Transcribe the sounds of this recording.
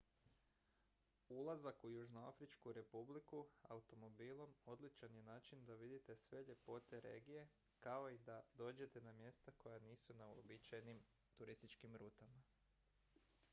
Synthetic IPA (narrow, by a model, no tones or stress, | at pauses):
ulˠazakujuʒnoafɾit͡ʃkuɾe̞publikua̰ut̪o̞mo̞biːlˠo̞mo̞d̪lit͡ʃanje̞naːt͡ʃind̪aʋid̪it̪e̞sʋe̞ʎe̞po̞t̪e̞ɾe̞̰ːɡije̞ | kao̞id̪ad̪o̞ːd͡ʑe̞t̪e̞namje̞st̪ako̞janiːsunauo̰bit͡ʃajnim | t̪uɾist̪it͡ʃkimɾuːt̪ama